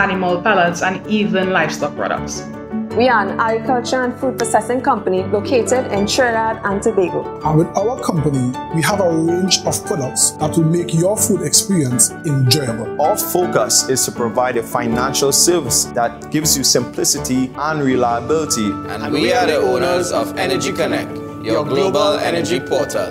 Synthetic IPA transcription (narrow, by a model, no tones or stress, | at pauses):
anɪməlpalətsə̃niːvə̃nlaɪfstɔk̚pʰɹ̥ɔ̰ɾə̰k̚ts | wianaɡɹɪkʰʌlt͡ʃəə̃nfuːd̚pəsɛsɪ̃ŋkʌ̃mpənilokʰeːtɛdɪ̃nʃɛladãntibeɡoãnwɪðaʊəkʰʌ̃mpəniwiavəɹẽnd͡ʒɔv̥pʰɹ̥ɔdək̚tsðatwɪlmekjɔfudɛkspiɹiə̃nsɪ̃nd͡ʒɛnəɔfokəsɪstʰupʰɹɔvaɪɾəfãɪnãnʃəlˠsɜvɪsðat̚ɡ̥ɪvzjusɪ̃mpʰlɪsɪtʰiə̃nɹilaɪəbɪlɪtʰiə̃nwiwiaðiõnəzɔvɛnəd͡ʒikənɛk̚ | jɔɡllobəlɛ̰nəd͡ʒipʰɔtʰə̰